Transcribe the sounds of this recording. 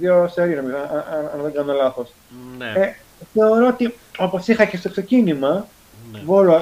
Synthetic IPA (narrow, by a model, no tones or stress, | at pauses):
ðioseɾinɐmiɐnɐnðeŋɡɐnolɐθo̞s | e | θe̞o̞ɾoot̪io̞po̞sixɐce̞st̪o̞kse̞cinimɐ | volo